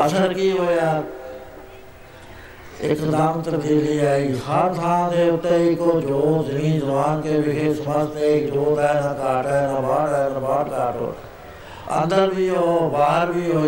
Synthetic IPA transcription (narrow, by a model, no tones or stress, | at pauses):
əsəɾkiːɦoːjaː | ɪ̰kt̪əd̪aːmt̪əɾd̪iːliːaːeɡiɦəɾt̪ʰaãd̪eːʊt̪ːeːikoːd͡ʒoːd͡ʒnĩːd͡ʒəbaːnkeːbɪkʰeːsəməd͡ʒt̪ekd͡ʒoːɾɛːnãːkaːʈɛːnãːbaːɽɛːbaːʈkaːʈo̰ː | ə̰̃nd̪əɾbʱiːɦoːbaːɦəɾbʱiːɦoː